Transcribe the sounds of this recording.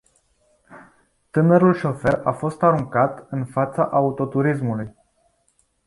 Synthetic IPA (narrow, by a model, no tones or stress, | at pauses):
t̪ɨnəɾulʃo̞fe̞rafo̞st̪aɾuŋkat̪ɨnfat̪sa̰ʔaut̪o̞t̪uɾis̬muluj